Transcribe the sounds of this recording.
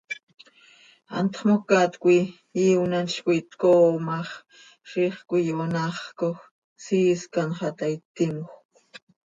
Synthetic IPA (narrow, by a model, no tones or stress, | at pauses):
a̰nt̪χmokat̪kʷi | iwnant͡ʃkʷit̪koːmɑχ | ɾiχkʷijonaχkox | siskanχɑt̪ajt̪ɪmoχ